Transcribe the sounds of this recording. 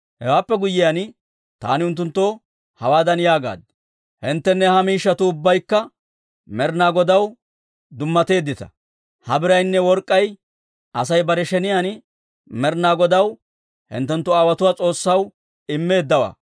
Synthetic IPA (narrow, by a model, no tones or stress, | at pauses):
hɛ̰waːpːɛɡʊjːɪjan | t̪a̰ːnɪʊnt̪̬ːʊnt̪ːo | hɐwaːd̪ɐnjaːɡa̰ːd̪ | hɪnt̪ːɛnːɛhɐmiːʃːɐt̪ʊːbːɐjkːɐ | mɛɾnaːɡɔd̪ɐw | d̪ʊmːɐt̪e̞ːd̪ːɪt̪ɐ̥̰ | hɐbɪɾɐjnːɛwɔɾkʼːɐj | ɐsɐjbɐɾɛʃɛnɪjan | mɛɾnaːɡɔd̪ɐw | hɪ̰nt̪ːɛnt̪ːɔaːwɐt̪ʊwaːt͡sʼo̞ːsːɐw | ɪmːe̞ːd̪ːɐwa̰ː